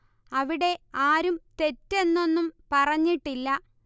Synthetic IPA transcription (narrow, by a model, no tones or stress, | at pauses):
ɐʋiɽe̞aːɾumt̪e̞tːe̞nːo̞nːumpɐrɐɲːiʈːilːɐ